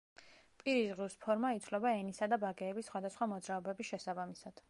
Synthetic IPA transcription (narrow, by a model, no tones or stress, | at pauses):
pʼiɾizʁuspʰɔɾmait̪sʰlɛbaɛnisad̪abaɡɛːbisːχwad̪asχwamɔd̪zɾaɔbɛbisʃɛsabamisad̪̥